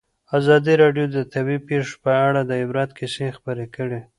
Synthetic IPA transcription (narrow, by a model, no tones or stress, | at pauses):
azɑd̪iɾɑɖjod̪ət̪abipeʂpəaɽad̪əɪbɾɑt̪̚kʰɪsexpəɾekəɽe